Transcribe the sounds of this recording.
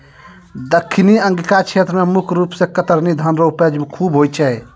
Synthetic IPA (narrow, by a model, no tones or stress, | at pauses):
d̪əkʰːɪniə̃ŋɡikat͡ʃʰeːt̪ɾəmẽmʊkʰɾuːpsẽkət̪əɾnid̪ʱənɾouped͡ʒbkʰuːbɦoːjt͡ʃʰɛ